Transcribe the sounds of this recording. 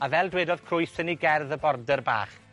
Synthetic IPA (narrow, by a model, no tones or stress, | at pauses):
avɛlˠdweːdɔð̥kʰrʊɨsəniɡɛrðəbɔrdərba̰ːχ